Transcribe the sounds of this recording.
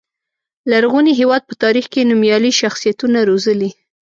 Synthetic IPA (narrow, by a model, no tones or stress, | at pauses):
laɾɣuniɦewɑd̪̚pət̪ɑɾixkenumjɑliʃaxsijat̪unaɾozəli